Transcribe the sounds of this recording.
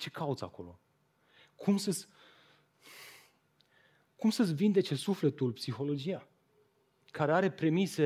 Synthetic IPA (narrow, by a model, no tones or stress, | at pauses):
t͡ʃe̞kʰaut̪sa̰ko̞̰lo̞̰ | kʰumsəsʲ | kumsəsʲvind̪e̞t͡ʃe̞sufle̞t̪ulpsixo̞lo̞d͡ʒija | kaɾe̞aɾe̞pɾe̞mise̞